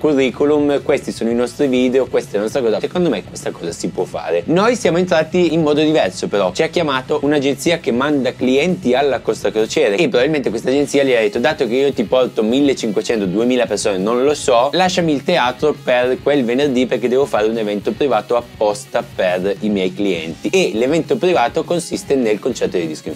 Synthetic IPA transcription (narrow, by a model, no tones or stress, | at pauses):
kurːiːkulumkwest̪isoːnoinɔst̪ɾiviːd̪eokwest̪ɛlanɔst̪ɾakɔːzasekond̪omekwest̪akɔːzasipwɔfa̰ːɾenojsjaːmoent̪ɾaːt̪iːnmɔːd̪od̪ivɛrsopeɾɔt͡ʃiakjamaːt̪ounad͡ʒent̪siːakemːand̪akliɛnt̪ialːakost̪ɾakɾot͡ʃɛːɾeepːɾovabilment̪ekwest̪ad͡ʒent̪siːaljiad̪et̪ːod̪aːt̪okeiːot̪ipɔrt̪omilːet͡ʃiŋkwet͡ʃɛnt̪od̪uːemiːlapersoːnenonlosɔlaʃːamiːlt̪eaːt̪ɾoperkwelvenerd̪iperk̟ed̪ːɛːvofaːɾeunevɛnt̪opɾivaːt̪oapːɔst̪aperimjɛjkliɛ̰nt̪ielevɛnt̪opɾivaːt̪okonsist̪enelkont͡ʃɛt̪ːod̪id̪iskḭ